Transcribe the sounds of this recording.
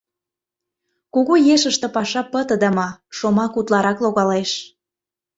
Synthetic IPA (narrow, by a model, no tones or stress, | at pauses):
kuɣojeʃəʃt̪ĕpɑʃɑpət̪ə̆d̪ə̆mɑʃomɑkut̪lɑɾɑkloɣɑleʃ